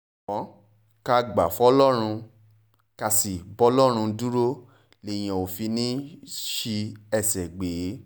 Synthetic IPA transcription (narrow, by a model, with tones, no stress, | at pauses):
ɔ̃˨˦ | ka˧ɡ͡ba˨fɔ˦lɔ˦ɾ̃ũ˧ | ka˧si˨bɔ˦lɔ˦ɾ̃ũ˧du˦ɾo˦ | le˨j̃ã˨o˨fi˧nĩ˦ʃi˧ɛ˦˨sɛ˨ɡ͡beː˨˦